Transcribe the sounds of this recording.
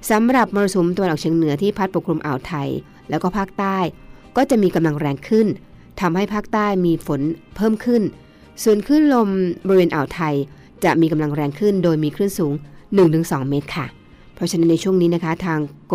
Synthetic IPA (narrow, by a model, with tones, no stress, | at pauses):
sa˩˦mɾa˨˩p̚mɔː˧ɾa˧so˨˦mt̪a˧wa˧nʔɔ˨˩t͡ɕʰi˧˦əŋnɯ˩˦ɐt̪ʰiː˥˩pʰa˦˥t̪̚po˨˩kʰɾu˧mʔa̰ː˨˩wt̪ʰa˧j | lɛː˦˥wkɔː˥˩pʰaː˥˩k̚t̪aː˥˩j | kɔː˥˩t͡ɕa˨˩ʔmiː˧ka˧mla˧ŋɾɛː˧ŋkʰɯ˥˩nt̪ʰa˧mha˥˩jpʰaː˥˩k̚t̪aː˥˩jmiː˧fo˩˦npʰɤː˥˩mkʰɯ˥˩n | su˨˩ənkʰɯ˥˩nlo˧mbɔ˧ɾi˧weː˧nʔaː˨˩wt̪ʰa˧j | t͡ɕa˨˩ʔmiː˧ka˧mla˧ŋɾɛː˧ŋkʰɯ˥˩ndoː˧jmiː˧kʰɾɯ˥˩˨nsuː˩˦ŋnɯ˨˩ŋt̪ʰɯ˩˦ŋsɔː˩˦ŋmeː˦˥t̪̚kʰa˥˩ | pʰɾɔ˦˥t͡ɕʰa˧˥na˦˥nːa˧jt͡ɕʰu˥˩əŋniː˦˥na˦˥kʰa˦˥t̪ʰaː˧ŋk